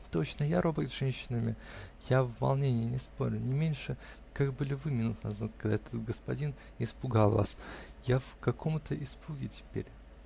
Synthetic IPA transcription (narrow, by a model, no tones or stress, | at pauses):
t̪ot͡ɕnəjaɾobəɾʲɪt̪ʐɛnʲɕːɪnəmʲɪjavvɐ̰lˠnʲenʲɪjənʲɪspoɾʲʊnʲɪmʲenʲʂɨ | kaɡ̚bɨlʲɪvɨmʲɪnut̪nɐzat̪̚kɐɡd̪aɛt̪ət̪̚ɡəspɐdʲin | ɪspʊɡalˠva̰sjafkɐkʰo̞mt̪əʔɪspuɡʲɪtʲɪ̥pʲḛɾʲ